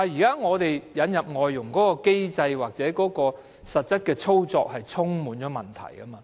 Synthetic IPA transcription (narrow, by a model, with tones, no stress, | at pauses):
aː˨jiː˨kaː˦˥ŋɔː˨˧t̪e˨jjɐ˨˧˥njɐ˨p̚ŋɔː˨˧jːʊ˨˩ŋkɔː˨˥kɔː˧ke˥jt͡sɐ˧jwaː˨k̚t͡sɛː˨˥kɔː˨˥kɔː˧ | sɐ˨t̚t͡sɐ˥t̚kɛː˧t͡sʰo˥wt͡sɔ̰ː˧k̚hɐ˨jt͡sʰʊ˥ŋmuː˨˥nt͡ʃɔː˨˥mɐ˨˩nt̪ʰɐ̰˨˩jkɐ˥maː˧